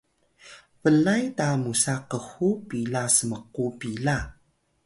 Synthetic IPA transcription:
vəlajtamusaqəxupilasəməqupila

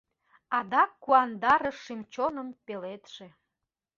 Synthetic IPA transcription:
ɑd̪ɑkːuɑnd̪ɑɾəʃːimt͡ɕonə̆mpelet̪ʃe

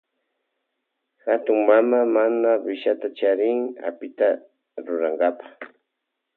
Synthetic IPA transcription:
hat̪ʊŋmamamanawɪʃat̪at͡ʃaɾɪŋa̰pɪt̪a | ɾʊɾaŋɡapḁχ

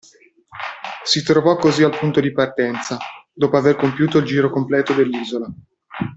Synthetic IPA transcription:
sit̪ɾovɔkːozialpunt̪od̪ipart̪ɛnt̪sad̪oːpoaverkompjuːt̪oild͡ʒiːɾokomplɛːt̪od̪elːiːzola

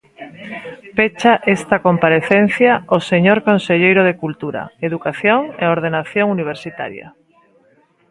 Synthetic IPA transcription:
pet͡ʃaʔest̪ɐkompaɾeθenθjaoseɲoɾkonseʎejɾoð̞ekult̪uɾɐ̰eðukaθjoŋḛoɾð̞enaθjoŋuniβ̞eɾsit̪a̰ɾja̰

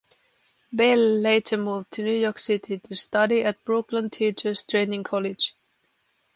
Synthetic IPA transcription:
bɛlːeɪtʰə˞muvtʰɨnjʉjɔɹksɪtʰitʰɨstʌɾiɨt̚b̥ɹʊklə̃ntʰit͡ʃə˞stʰɹ̥ẽɪ̃nɪ̃ŋkʰɔlɪd̥d͡ʒ̥

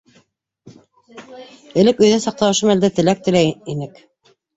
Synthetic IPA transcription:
ɘ̆lɘkɵ̆jðæsɑq̚t̪ɑɤ̆ʃɤmæld̪æt̪ɘ̆læk̚t̪ɘ̆læinɘk

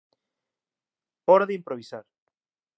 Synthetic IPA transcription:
ɔɾaðeimpɾoβ̞isaɾ

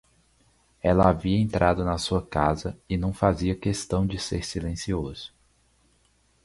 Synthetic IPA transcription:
ɛlɐaviɐẽnt̪ɾʔad̪ʊnɐsuɐkazɐɪnɐ̃w̃faziɐkest̪ɐ̃w̃d͡ʒɪseɾsilẽsiozʊ̥

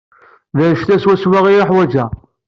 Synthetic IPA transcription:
ðæʃt̪æswæswaʁijaħwæd͡ʒæ

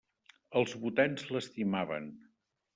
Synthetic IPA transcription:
əlˠzβut̪ɛnzləst̪imaβə̰n

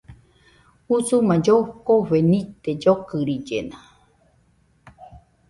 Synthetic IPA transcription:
usumãd͡ʒokoβenĩt̪ed͡ʒokɨɾid͡ʒena

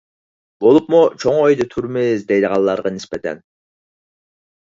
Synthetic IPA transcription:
bolˠupmut͡ʃʰoŋojd̪ɨt̪ʰuɾmɪzd̪ejd̪əʁɑlˠːɑɾʁɑnɪspɛt̪ʰɛ̰n

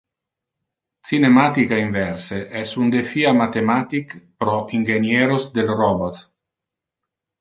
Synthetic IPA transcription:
t͡sinemat̪ikaiɱvɛɾseʔɛsund̪efiamat̪emat̪ikpɾɔʔiŋɡenjeɾosd̪elrɔbot̪

